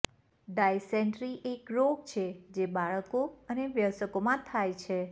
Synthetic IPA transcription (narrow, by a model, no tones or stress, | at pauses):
ɖajseɳʈɾiʔekɾoɡt͡ʃʰed͡ʒebaɭəkoəneʋjəsəkomãt̪ʰajt͡ʃʰe